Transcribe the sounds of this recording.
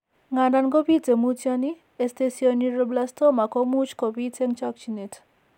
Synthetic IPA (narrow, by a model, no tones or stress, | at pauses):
ŋananɡopit͡semut͡sjani | est̪esioniɾoblast̪omakomut͡ʃkobit͡seŋt͡ʃɔk̚t͡ʃinetʰ